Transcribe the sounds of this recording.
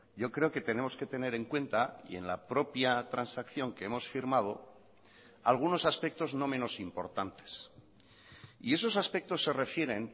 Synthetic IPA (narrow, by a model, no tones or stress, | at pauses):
ɟ͡ʝo̞kɾe̞oke̞t̪enẽ̞mo̞ske̞t̪e̞ne̞ɾe̞ŋkwẽ̞nt̪aḭe̞̰nlapɾo̞pjat̪ɾansakθjo̞ŋkeemo̞sfiɾmað̞o̞̰ | alɣ̞uno̞saspek̚t̪o̞zno̞mẽ̞no̞simpo̞ɾt̪ant̪e̞̥s | ḭe̞s̬o̞saspe̞k̚t̪o̞sːe̞re̞fje̞ɾe̞n